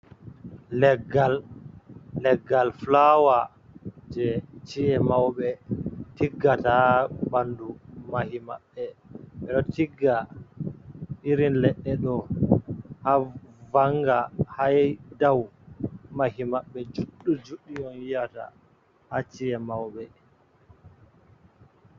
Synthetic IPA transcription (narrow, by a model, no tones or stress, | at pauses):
lɛɡalː | ɛɡːalflawa | d͡ʒɛt͡ʃiɛmawɓɛtiɡːatabandumahima̰ɓːɛɓɛɗɔtʰiɡːa | ʔiɾinlɛɗːɛɗɔ | havaŋɡahajdaw | mahimaɓːɛd͡ʒuɗːud͡ʒuɗːijɔnjijata̰ | hat͡ʃiɛmawɓɛ